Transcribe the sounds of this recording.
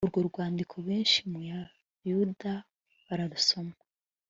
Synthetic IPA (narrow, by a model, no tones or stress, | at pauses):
uɾɡo̞ɾɡwaːndikʰo̞βeːnʃimuja | juda | βaɾaɾuso̞ma